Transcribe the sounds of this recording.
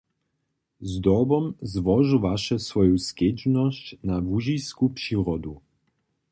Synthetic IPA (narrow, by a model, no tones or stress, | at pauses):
zd̪ɔbɔmzʋɔʒuʋaʃɛsʋɔjusked͡ʒnɔɕt͡ɕnavuʒijskupʂiɾɔd̪u